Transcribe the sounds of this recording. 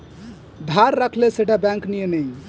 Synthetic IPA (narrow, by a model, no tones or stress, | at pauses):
d̪ʱaɾːəkʰleseʈabɛ̃ŋknijenəj